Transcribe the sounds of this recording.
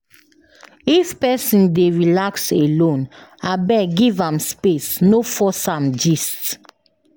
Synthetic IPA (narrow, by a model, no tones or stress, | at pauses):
ifpɛsĩndeɹilakselõnabɛɡivãmspesnofɔsãmd͡ʒist